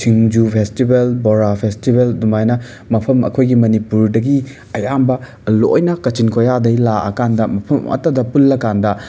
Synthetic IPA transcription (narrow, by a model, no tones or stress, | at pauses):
t͡ʃʰiŋd͡ʒupʰestibelboɾapʰestibeldumajnɐ | mɐpʰɐmɐ̰kʰojɡimɐnipuɾdɐɡi | ɐjambɐ | lo̰jnɐkɐt͡ʃinkʰojadɐjlaʔɐ̰kandɐmɐpʰɐmɐ̰tɐdɐpulːɐkandɐ